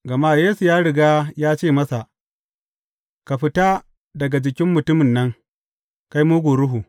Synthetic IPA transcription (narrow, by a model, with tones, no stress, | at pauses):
ɡɐ˨maː˦˨jeː˦su˨jaː˦ɽɪ˨ɡaː˦jaː˦t͡ʃeː˦˨mɐ˦sa˨ʔ | ka˨ɸɪ˦taː˦ | dɐ˨ɡa˨d͡ʒɪ˨kʲɪ˦mːʊ˨tʊ˦mɪ˨nːɐ˦ŋ | ka˦jmuː˦ɡʷoː˨ɽʊ˦ɦu˨